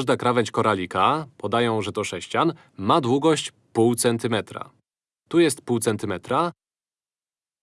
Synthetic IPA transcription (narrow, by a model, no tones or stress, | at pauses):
ʐd̪akɾavɛɲʲt͡ɕkɔɾalʲikapɔd̪ajɔ̃w̃ʐɛt̪ɔʂɛɕt͡ɕan | mad̪wuɡɔɕt͡ɕ | puwt̪sɛnt̪ɘmɛt̪ɾa̰ | t̪ujɛst̪puwt̪sɛnt̪ɘmɛt̪ɾa